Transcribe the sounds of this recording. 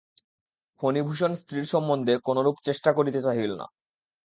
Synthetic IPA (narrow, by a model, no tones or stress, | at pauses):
fʰonibʱuʃonst̪ɾiɾʃɔmːond̪ʱekonoɾupt͡ɕeʃʈakoɾit̪et͡ɕaɦilona̰